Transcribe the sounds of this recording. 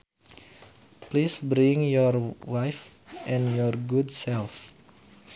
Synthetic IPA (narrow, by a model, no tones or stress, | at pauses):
plisbɾiŋjɔrwajf | ʔɛ̃njɔrɡudsɛlf